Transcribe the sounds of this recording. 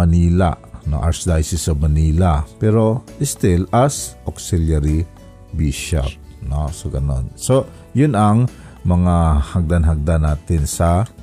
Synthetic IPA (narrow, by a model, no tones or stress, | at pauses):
mɐniːla̰ʔno̰ʔa̰ɾsd̪ajsɪsomɐniːlapɛɾoɪst̪ilasʔoksiljaɾi | biʃɛ̰p̚nosoɡɐno̰nso | jʊnaŋ | mɐŋahaɡ̚d̪anɦaɡ̚d̪anaːt̪ɪnsɐ